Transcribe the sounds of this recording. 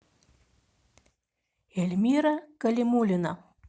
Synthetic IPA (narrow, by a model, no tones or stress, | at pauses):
elʲmʲiɾakɐlʲimulʲina